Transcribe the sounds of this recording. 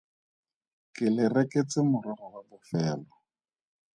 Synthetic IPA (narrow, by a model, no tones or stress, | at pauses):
kɪlɪreket͡sɪmʊrɔrɔwabʊfɛːlɔ